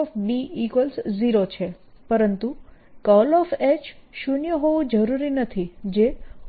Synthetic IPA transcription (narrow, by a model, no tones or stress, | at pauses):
ɔfbiikʋəlsziɾot͡ʃʰe | pəɾənt̪ukɔlɔfet͡ʃʃunjəɦoʋũd͡ʒəɾuɾinət̪ʰid͡ʒe